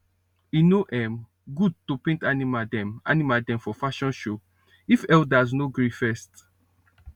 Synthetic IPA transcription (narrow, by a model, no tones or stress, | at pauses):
inoʔɛm | ɡud̚topẽntanimadɛ̃ma̰nimadɛ̃mfɔfaʃɔ̃nʃo | ifɛldaz̬noɡɹifɛst